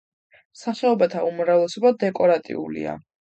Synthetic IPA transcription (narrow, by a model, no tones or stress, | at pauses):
msaχɛɔbat̪ʰaumɾavlɛsɔbad̪ɛkʼɔɾat̪ʼḭṵlḭa̰